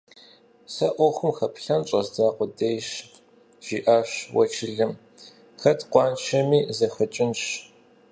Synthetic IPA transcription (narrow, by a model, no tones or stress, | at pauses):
sɐʔʷɔxʷʊmxɐpɬɐnt͡ʃʷʼɐzdaːqʷʊdejʃ | ʒ̥iːʔaːɕwɐ̰t͡ʃʰɪɮɨm | xɐtqʷɑːnt͡ʃʰɐmiːzɐxɐt͡ʃʼɪnɕ